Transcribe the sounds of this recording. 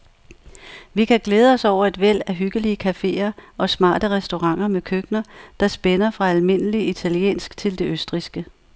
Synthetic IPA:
ʋikʰæɡ̥leːð̞ˠəɒ̽sɒʊ̰ɐe̝d̥ʋel̰æɦyɡ̥əliəkʰæfe̝̰ːɐɒ̽smɑ̰̈ːd̥əʁɛsd̥o̝ʁɑ̈ŋ̰ɐmekʰøɡ̥nɐd̥ɑ̈sb̥enɐfʁɑ̈ælme̝n̰əliit͡sʰæljḛːnsɡ̥t͡sʰe̝ld̥e̝øsd̥ʁisɡ̥ə

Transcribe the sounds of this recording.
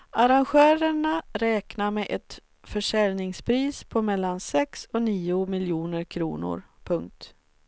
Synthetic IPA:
aɾanɧœːɾəɳaɾɛːknaɾmɛʔɛt̪ | fœʂɛlnɪŋspʰɾiːspʰɔmɛlːansɛksɔniːʊmɪljuːnəɾkʰɾṵːnʊ̰ɾpʰɵŋk̚t̪

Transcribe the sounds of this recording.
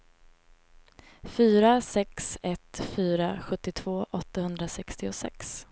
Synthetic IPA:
fyːɾasɛksɛt̪fyːɾaɧɵt̪ːɪt̪ʰv̥oːʔɔt̪ːahɵnd̪ɾasɛkst̪ɪʊsɛ̰ks

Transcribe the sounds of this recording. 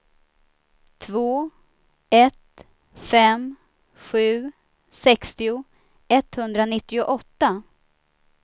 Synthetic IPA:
t̪ʰvoː | ɛt̪ | fɛm | ɧʉ̟ː | sɛkst̪ɪʊ | ɛt̪hɵnd̪ɾanɪt̪ːɪʊʔɔt̪ːa

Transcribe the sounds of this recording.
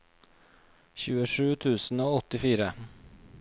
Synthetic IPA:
çʉːəʂʉːt̪ʰʉːsn̩oːɔt̪ɪfiːɾə

